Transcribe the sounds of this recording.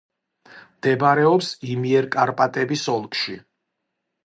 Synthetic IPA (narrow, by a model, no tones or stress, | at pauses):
md̪̥ɛbaɾɛɔpsimiɛɾkʼaɾpʼat̪ʼɛbisɔlˠkʼʃi